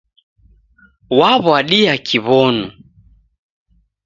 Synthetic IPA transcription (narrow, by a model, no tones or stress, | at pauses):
waβwaɗiakʰiβɔnu